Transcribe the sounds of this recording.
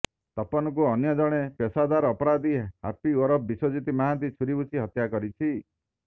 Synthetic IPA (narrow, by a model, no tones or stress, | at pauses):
t̪ɔpɔnɔk̬uɔnjɔd͡ʒɔɽ̃epesad̪aɾɔːpɔɾad̪iha̰pioɾɔp̚bisod͡ʒit̪imaɦat̪̬it͡ʃʰuɾibut͡ʃʰiɦɔt̪jakɔɾit͡ʃʰi